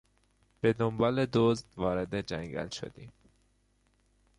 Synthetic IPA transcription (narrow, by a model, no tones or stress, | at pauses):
b̥e̞d̪ombɒːle̞d̪ozd̪vɒːɾe̞d̪ed͡ʒæŋɟæ̰lʃo̰d̪ḭːm